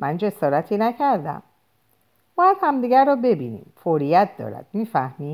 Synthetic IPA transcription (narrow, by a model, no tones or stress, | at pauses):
mʔænd͡ʒe̞sɒːɾæt̪ʰiːnæcʰæɾd̪æ̰m | b̥ɒːjæd̪̥hæmd̪iːɡæɾɔːbe̞biːnḭːmfoɾijæt̪̚ʰd̪ɒ̰ːɾæ̰d̪̥̚miːfæhmiː